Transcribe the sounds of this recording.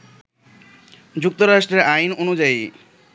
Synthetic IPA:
d͡ʑuk̚t̪oɾaʃʈɾeɾajnonud͡ʑai

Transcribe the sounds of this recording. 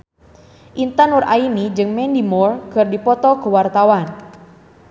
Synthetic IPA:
ʔint̪ənurʔa̰inid͡ʒɨŋmɛndimɔrkɨrdipɔt̪ɔkəwart̪awan

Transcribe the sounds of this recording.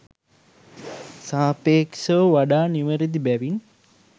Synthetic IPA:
saːpeːksəʋəʋaɖaːniʋəɾid̪ibæʋin

